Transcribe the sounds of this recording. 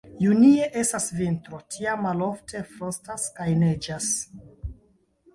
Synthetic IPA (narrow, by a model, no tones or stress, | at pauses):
junie̞ʔe̞stasvintɾo̞tʰiamːalo̞ftʰe̞fɾo̞staskajned͡ʒas